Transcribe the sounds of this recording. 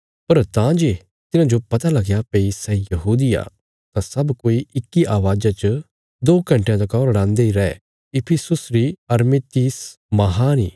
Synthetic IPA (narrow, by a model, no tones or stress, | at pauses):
pɐɾt̪ãd͡ʒeː | t̪ɪnãd͡ʒopɐt̪alɐɡjapeːisɛ̃ːĩjɐɦuːd̪ɪja̰ | t̪ãsɐbkoːiɪkːiʔaːʋaːd͡ʒat͡ʃə | d̪oːkɐ̃ɳʈejãt̪̬ɐkɔːɾɐɽãːnd̪eiɾɛɛ | ɪpʰɪsʊsɾiɐɾmet̪iːs | mɐɦaniː